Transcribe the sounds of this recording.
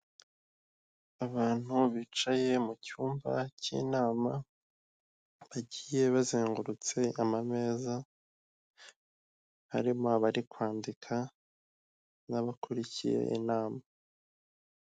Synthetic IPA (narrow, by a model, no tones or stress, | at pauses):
aβaːn̥huβit͡ʃaje̞mucuːmba̰cḭːnaːma | βaɟiːje̞βazeːŋɡuɾut͡se̞amame̞ːza | ha̰ɾimoaβaɾikwaːndikʰa | naβakuɾicḭje̞̰ʔḭnaːma